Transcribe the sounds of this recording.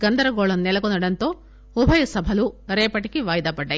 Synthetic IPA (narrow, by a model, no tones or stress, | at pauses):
ɡɐnd̪ɐɾɐɡoːɭɐmnɛlɐkonɐɽɐnt̪o̞ː | ubʱɐjɐsɐbʱɐluɾeːpɐʈikiʋaːjd̪ɐpɐɖːɐ